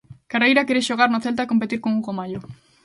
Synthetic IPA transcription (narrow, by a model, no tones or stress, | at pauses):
karejɾakeɾe̞ʃoɣ̞arnoθe̞lt̪̬ako̞mpe̞t̪iɾkoŋɡuɣomaʎo